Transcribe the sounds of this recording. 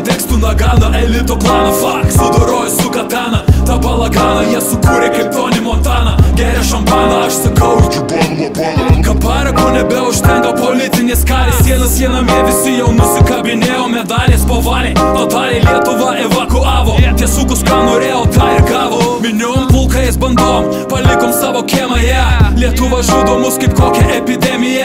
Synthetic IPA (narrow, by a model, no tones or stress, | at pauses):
t̪ʲɛkst̪ʊnɐɡɑːd̪ɐʔɛlʲɪt̪oplˠɑːnofɑksʊd̪oɾoːjɪsʊkɐt̪ɑːnɐt̪ɐpɐlˠɐɡɑːnɐjiɛsʊkuːɾʲɛkɐɪp̚t̪oːnʲɪmɔnt̪ɑːnɐɡʲæːɾʲɛʃɐmpɑːnɐɐʃsɐkɐʊpo | p | kɐpɑːɾɐkonʲɛbʲɛʊʃʲt̪ʲɛŋɡɐpolʲɪt̪sʲɪnʲeːskɑːlʲesʲiɛnɐssʲiɛnɐmʲɛʋʲɪsʲɪjɛʊmʊsʲɪkɐbʲɪnʲeːjomʲɛd̪ɑːlʲeːspoʋɑːlʲɛɐt̪alʲilʲiɛt̪ʊvɐʔɛvɐkʊavɔt̪ʲɛsukʊskɐmoɾʲɛɔt̪aɪɾɡavomʲɪnʲompulˠkɐjɛsbɐnd̪ɔm | pɐlʲɪkɔmsaʋokʲɛɛmɐjɛlʲiɛt̪ʊvɐʒʊd̪omʊskɐpkɔkʲɛʔɛpʲid̪ʲɛmʲɪjɛ